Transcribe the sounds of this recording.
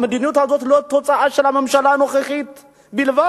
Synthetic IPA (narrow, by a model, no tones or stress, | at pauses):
mɨd̪inijut̪azot̪lot̪ʰːot͡sʼaʕaʃɪlamɐmʃalanoxixit̪ | bilva